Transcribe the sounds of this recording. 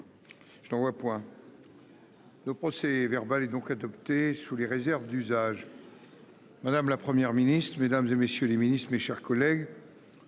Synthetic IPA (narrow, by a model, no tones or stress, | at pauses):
ʒ̥ənɑ̃vwapwɛ̃ | ləpχɔsɛvɛʁbalɛd̪ɔ̃kad̪ɔpt̪esuleʁezɛʁvd̪yzaʒ | mad̪amlapχəmjɛʁminist̪χmed̪amzemesjøleminist̪χmeʃɛʁkɔlɛɡ